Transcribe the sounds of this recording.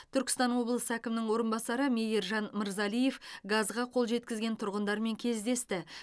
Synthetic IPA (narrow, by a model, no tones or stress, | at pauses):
t̪ʰʏɾkʲɪ̥st̪ɑnwo̞blˠəsəækʲɪmnɪŋwo̞ɾənbɑsɑɾəmʲejeɾʒɑnmɪɾzɑlije̞fɡɑzʁɑqʰo̞lˠʒe̞t̪kʲɪzɡʲe̞nt̪ʰʊɾʁənd̪ɑɾme̞ŋkʲʰe̞zd̪e̞st̪ɪ